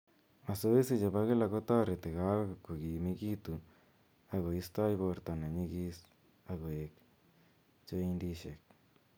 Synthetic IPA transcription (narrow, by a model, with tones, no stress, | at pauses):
a˨so˦i˦si˦˧d͡ʒa˨ba˧˦ɣe˦la˧ko˦t̪a˦ɾe˨t̪e˨ɣa˦ɡo˧ko˨ɡi˨mi˧ɡi˦t̪u˧ | a˧ɣo˨i˧˦st̪a˦jbo˧ɾt̪a˧na˨ɲi˧ɡi˦˧s | a˧ɡo˨e˧k | t͡ʃo˧i˧nd̪i˧ʃe˨k̚